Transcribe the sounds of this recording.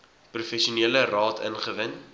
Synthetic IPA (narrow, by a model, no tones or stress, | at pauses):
prufɛʃiuniːlərɑːtʰə̰nχəvən